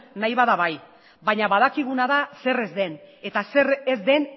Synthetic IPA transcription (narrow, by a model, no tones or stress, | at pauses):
najβaðaβaj | baɲaβað̞akiɣ̞unaðase̞re̞zd̪e̞ne̞t̪ase̞ɾezd̪e̞n